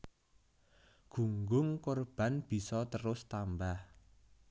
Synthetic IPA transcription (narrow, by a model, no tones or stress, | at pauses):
ɡ̥uŋɡʊŋkorb̥a̤nb̥i̤sɔt̪əɾʊst̪ambah